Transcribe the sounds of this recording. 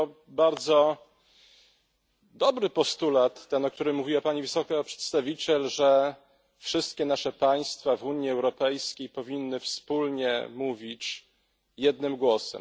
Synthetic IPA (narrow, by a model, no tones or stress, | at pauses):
ɔ | baɾd̪zɔ | d̪ɔbɾɘpɔst̪ulat̪ːɛnɔk̚t̪uɾɘmːuvʲiwapaɲivɘsɔkapʂɛ̥t̪st̪avʲit͡ɕɛlʐɛ | fʂɘst̪̚kʲɛnaʂɛpaj̃st̪favuɲiɛwɾɔpɛjskʲejpɔvʲinːɘfspulɲɛ̰muvʲit͡ɕ | jɛd̪nɘmɡwɔsɛ̰m